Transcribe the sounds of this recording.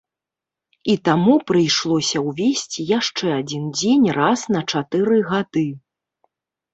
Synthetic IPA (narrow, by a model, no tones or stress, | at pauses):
it̪amupɾɨjʂlˠɔsʲɐwvʲesʲt͡sʲijaʂt͡ʂɛad͡zʲind͡zʲenʲrasnɐt͡ʂat̪ɨɾɨɣad̪ɨ